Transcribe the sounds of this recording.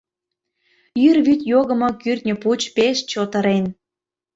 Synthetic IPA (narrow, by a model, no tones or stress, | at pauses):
jyrβyt̪ʲjoɣə̆mɤ̆kyrt̪̚ʲnʲə̆put͡ɕpeʃt͡ɕot̪əɾen